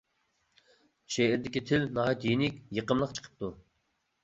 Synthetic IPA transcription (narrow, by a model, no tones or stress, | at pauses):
ʃeɪɾd̪ɪkʲit̪ʰɪlnɑɦɑt̪jinɪkʲjəqəmlˠəqt͡ʃʰə̥qʰə̥p̚t̪u